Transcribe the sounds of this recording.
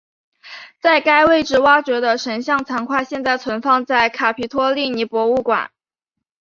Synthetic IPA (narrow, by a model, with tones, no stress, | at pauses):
t͡sa˥˩ɪka˥ɪwe˥˩ɪʈ͡ʂɻ̩˥˩wa˥t͡ɕɥɛ˧˥d̪ə˧ʂʰə˧˥nɕjɑ˥˩ŋt͡sʰa˧˥ŋkʰwa˥˧ɕjɛ˥˧nt͡sa˥˩ɪt͡sʰwə˧˥nfɑ˥˧ŋt͡sa˥˩ɪkʰa˨˩pʰi˧˥t̪ʰwɔ˥li˥˩ni˧˥pwɔ˧˥u˥˩kwa̰˨˩˦n